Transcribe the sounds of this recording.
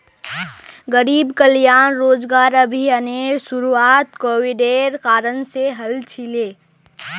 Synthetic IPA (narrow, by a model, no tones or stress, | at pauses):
ɡəɾiːbkəljaːnɾoːd͡ʒɡaːɾəbʱiəneːɾsuɾuaːt̪koːwiɖeːɾkaːɾənseɦəlt͡ʃʰileː